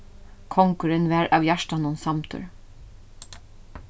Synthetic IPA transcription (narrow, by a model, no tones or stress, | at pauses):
kʰɔŋkʊɾənʋæːɹʔɑːʋjæʃʈɑnʊnsɑmt̪ʰʉ̰ɹ